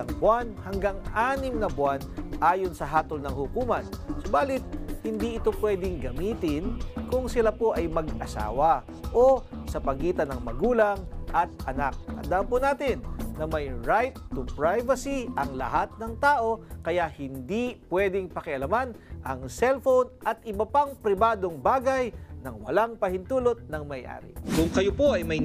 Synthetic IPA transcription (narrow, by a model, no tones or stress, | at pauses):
ɐŋbwanhɐŋɡaŋʔaːnɪmnɐbʊanʔaːjonsɐɦaːt̪olnɐŋhʊkuːmɐnsobaːlɪt̪̚hɪnd̪iʔɪt̪o̞pwɛd̪ɪŋɡɐmiːt̪ɪnkʊŋsɪlapo̞ʔɐjmɐɡʔɐsa̰ːwɐ | ʔosɐpɐɡiːt̪ɐnɐŋmɐɡuːlɐŋʔɐt̪̚ʔɐnak̚hɐ̰nd̪ampʊnaːt̪ɪnːɐmɐjɹajt̪ːʊpɹajvɐsiʔɐŋlɐ̰hat̪̚nɐŋt̪aːʔo̞kɐjahɪnd̪ipwɛd̪ɪŋpɐkɪʔɐlɐmanʔɐŋsɛlfownʔɐt̪ʔɪbɐpaŋpɾɪbaːd̪o̞ŋbaːɡɐjnɐŋwɐ̰laŋpɐhɪnt̪uːlo̞t̪̚nɐŋmɐjʔa̰ːɾɪ̰kʊŋkɐjopo̞ɐjmɐj